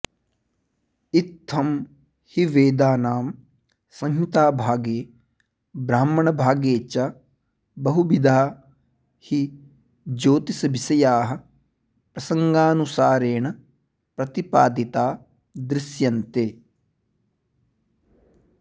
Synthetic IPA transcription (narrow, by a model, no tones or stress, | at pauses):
ɪt̪ʰːɐm | hiʋeːd̪aːnaːm | sɐ̃ŋɦit̪aːbʱaːɡeː | bɾaːmɐɳɐbʱaːɡeːt͡ʃa | bɐɦubid̪ʱaː | hi | d͡ʒoːt̪isbɪsɐjaːɦɐ̆ | pɾɐsɐ̃ŋɡaːnusaːɾeːɳ̃ | pɾɐt̪ipaːd̪it̪aː | d̪ɾɪsjɐnt̪eː